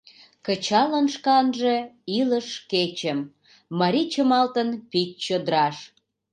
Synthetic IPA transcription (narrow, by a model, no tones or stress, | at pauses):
kət͡ɕɑlənʃkɑnʒe̽iləʃket͡ɕəmː | ɑɾit͡ɕəmɑlt̪ənpit̚t͡ɕod̪ɾɑʃ